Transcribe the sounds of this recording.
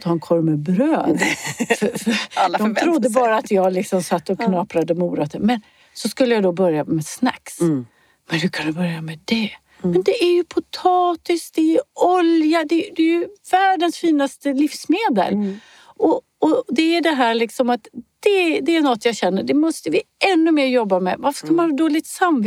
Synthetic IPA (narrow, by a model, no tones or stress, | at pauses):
t̪ʰɑːɛnkʰɔɾmɛbɾøːd̪ffœd̪ɔmʰɾʊd̪ːəbɑːɾaːt̪jɑːɡlɪksɔmsat̪ːɔkʰnɑːpɾad̪əmuːɾat̪əmɛn | sɔskɵlːəjad̪ɔbœɾjamɛsna̰ks | mɛnhʉkʰand̪ɵbœɾjamɛd̪ɛ | mɛnd̪ɛʔæɾjɵpʰʊt̪ʰɑːt̪ɪsk̚d̪ɛjɔljad̪ɛd̪ɛjɵvæːɖənsfiːnast̪əlifsmeːd̪ə̰l | ʔɔ | ɔd̪ɛæɖɛɦæːɭɪksɔmat̪d̪̥ɛd̪ɛːnɔt̪ːjɑːɕɛnːəɖɛmɔst̪əvɪɛnːɵmeːɾjɔbːamɛ̰vaɾfœ̥ʂkamanɑd̪oːlɪɡt̪sam